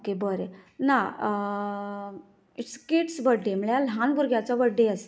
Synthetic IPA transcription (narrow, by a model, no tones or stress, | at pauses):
okebəɾena | iʈskiʈsʋəɖːeməɭjalɦãnbuɾɡjat͡saʋəɖːeəs